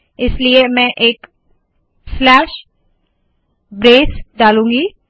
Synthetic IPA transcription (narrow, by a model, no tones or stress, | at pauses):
ɪsliemɛ̃ːʔeːk | slɛːʃ | bɾeːsɖaːlũːɡiː